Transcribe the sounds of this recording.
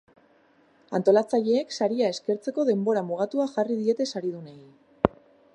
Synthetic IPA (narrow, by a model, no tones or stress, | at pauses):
ant̪o̞lat͡saʎe̞ːksaɾiae̞ske̞ɾt͡se̞ko̞ðe̞mbo̞ɾamuɣ̞at̪uaʝarið̞ie̞t̪e̞saɾiðunej